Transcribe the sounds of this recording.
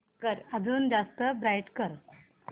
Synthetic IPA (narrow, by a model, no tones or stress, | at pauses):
kəɾəd͡zuːnd͡zast̪əbɾajʈkəɾ